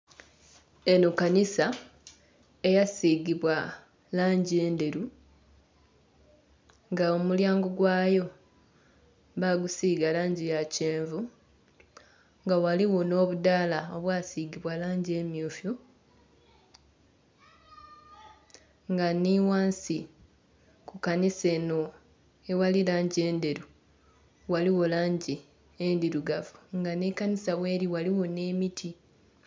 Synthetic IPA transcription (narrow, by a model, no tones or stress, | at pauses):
e̞nukanisa | e̞jasiɡiβwa | laːɲɟie̞ːnde̞ɾu | ŋɡaomuljaːŋɡoɡwaːjo̞ | βaɡusiːɡalaːɲɟijaceːɱvu | ŋɡawaliwo̞no̞ːβudaːlao̞βwaːsiːɡiβwalaːɲɟie̞mjoːfju | ŋɡaniwaːnsi | kukanise̞ːno̞ | ewalilaːɲɟe̞ːnde̞ɾu | waliwo̞laːɲɟi | endiɾuɡavuŋɡanekanisaβwe̞ːɾiwaliwo̞ne̞ːmitʰi